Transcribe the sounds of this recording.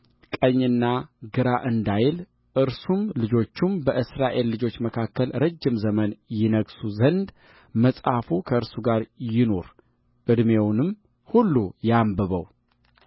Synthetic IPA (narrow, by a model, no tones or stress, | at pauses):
kʼəɲːɨnːaɡɨɾaʔɨnd̪ajl | ʔɨɾsumlɨd͡ʒo̞t͡ʃːumbəʔɨsɾaʔe̞lːɨd͡ʒo̞t͡ʃːməkʰakːəlɾəd͡ʒːɪmzəmənjɪnəɡsuzənd̪ | məsʼafukʰəɨɾsuɡaɾjɪno̞ɾ | ʔɨd̪mewnɨm | hulːujambəβə̰w